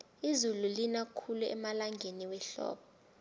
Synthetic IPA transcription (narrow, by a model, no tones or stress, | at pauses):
izululinakʰuluɛ̰malaŋɡʱeniwɛɬɔ̰ːɓɔ